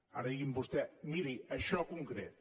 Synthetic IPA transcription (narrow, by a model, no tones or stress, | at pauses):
a̰ɾɐðiɣimbust̪ɛmiɾiɐʃɔkuŋkɾet̪̚